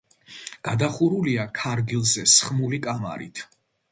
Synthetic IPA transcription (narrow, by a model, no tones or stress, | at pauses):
ɡ̥ad̪aχuɾuliakʰaɾɡilˠzɛsχmulikʼama̰ɾḭt̪ʰ